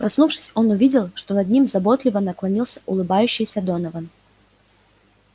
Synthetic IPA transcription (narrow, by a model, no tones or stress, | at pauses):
pɾɐsnufʂɨ̥sʲo̞nʊvʲidʲɪlˠʂt̪o̞nɐd̪nʲimzɐbo̞t̪lʲɪvənəklˠɐnʲilˠsʲə̥ʔʊlˠɨbajʉɕːɪjsʲəd̪o̞nəvən